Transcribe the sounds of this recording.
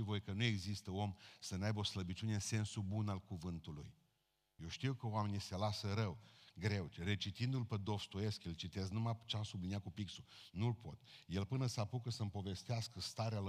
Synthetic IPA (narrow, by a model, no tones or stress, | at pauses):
ivo̞jkənue̞ɡzist̪əo̞msənajbəo̞sləbit͡ʃune̞ɨnse̞nsubunalkuvɨnt̪ulṵj | jewʃt̪iuwkəoame̞nise̞lasəɾəwɡɾe̞wre̞t͡ʃit̪ind̪ulped̪o̞fst̪ue̞skjelt͡ʃit̪e̞snumat͡ʃeasubliniat̪̚kupiksunulpo̞̰t̪je̞lpɨnəsapukəsəmpo̞ve̞st̪easkəst̪aɾeal